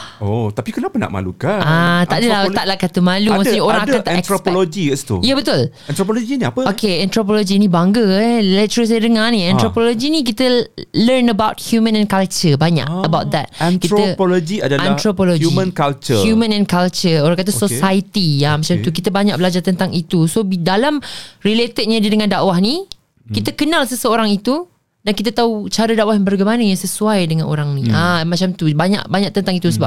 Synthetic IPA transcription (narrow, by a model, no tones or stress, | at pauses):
ot̪apikənapəna̰ʔma̰lṵkaat̪aʔdəlat̪aʔlakat̪umãlumasɲəoɾaŋaãt̪ãɾopolod͡ʒiəst̪ṵjəbət̪ul | ɛ̃nɾopolod͡ʒiniapəokeɛ̃nt̪ɾop̬olod͡ʒinĩbaŋɡəlɛt͡ʃəs̬ajədəŋaniɛ̃nt̪ɾopolod͡ʒinĩk̬it̪ələrnəbawt̪̚hjumə̃nɛ̃nkalt͡ʃəbaɲa̰kəbawt̪̚d̪ɛt̪̚ntkitɾpolod͡ʒiadaanɾopolod͡ʒuimə̃nkalt͡ʃəhjumə̃nɛ̃nkalt͡ʃəoɾãŋkat̪̬əsosajt̪iamat͡ʃamt̪ukit̪əbaɲak̚ʔbəlad͡ʒart̪ənt̪aŋit̪usobidalamrilet̪ət̚ɲadədəŋãndaʔwahni | kit̪əkənãlsəsəoɾaŋit̪u | dankit̪ət̪aut͡ʃaɾədawahjbərɡajmanəjaŋsəsuajdəŋãnʔo̰ɾaŋniamat͡ʃamt̪ubaɲa̰ʔbaɲak̚t̪ənt̪aŋit̪usəbap̚